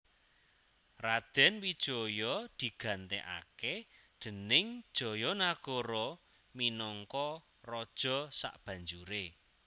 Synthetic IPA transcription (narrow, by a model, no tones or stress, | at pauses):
rad̪̥ɛ̤nwid̥ʒ̥ɔ̤jɔd̪̥i̤ɡ̥ä̤nt̪ḛʔa̰ked̪̥ə̤nɪŋd̥ʒ̥ɔ̤jɔnaɡ̥ɔɾɔ | minɔŋkɔ | rɔd̥ʒ̥ɔ̤sa̰ʔb̥a̤ɲd͡ʒuɾe